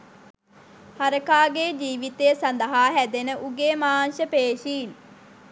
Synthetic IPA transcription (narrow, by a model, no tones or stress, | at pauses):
haɾəkaːɡeːd͡ʒiːʋit̪ejəsɐnd̪əɦaːɦæd̪enəʔuɡeːmaːnʃəpeːʃiːn